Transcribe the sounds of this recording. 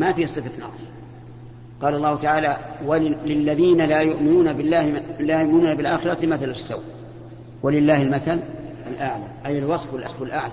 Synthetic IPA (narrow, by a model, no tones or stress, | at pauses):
mafiːsˤɨfanɑ̰qsˤ | qɑːlɑlˤːɑːhʊt̪aʕaːlawalɪlːaðiːnalajʊʔmɪnuːnabɪlːaːlajʊʔmɪnuːnabɪlʔaːxɪɾˤɑt̪maθalasːaw | walɪlːaːhɪlmaθalʔalʔaʕlaʔajɪlwɑsˤfalʔɑsˤfalʔaʕla